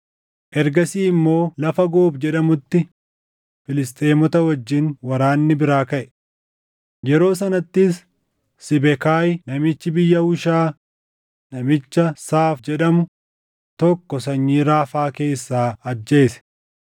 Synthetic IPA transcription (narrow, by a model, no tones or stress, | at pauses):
ʔɛɾɡɐsiːɪmːo̞ːlɐfɐɡoːbd͡ʒɛᶑɐmʊt̪ːɪ | fɪlɪst̪ʼeːmɔt̪ɐwɐd͡ʒːɪnwɐɾaːnːɪbɪɾaːkɐʔɛ̥ | jɛɾo̞ːs̬ɐnɐt̪ːɪsː | ɪbɛkaːjnɐmɪt͡ʃːɪbɪjːɐhʊʃaː | nɐmɪt͡ʃːɐsaːfd͡ʒɛᶑɐmʊ | t̪ɔkːɔs̬ɐɲːiːɾaːfaːke̞ːsːaːɐd͡ʒːe̞ːsɛ̥